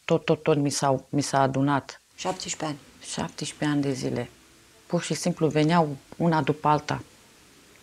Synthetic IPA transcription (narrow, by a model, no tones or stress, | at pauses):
t̪ot̪ːot̪ːonmisawmisaːd̪unat̪ | ʃapt̪eʃpeanʲ | ʃa̰p̚t̪eʃpe̞anʲd̪e̞zḭlʔe̞ | purʃisimpluve̞nɪawunad̪upəalt̪a̰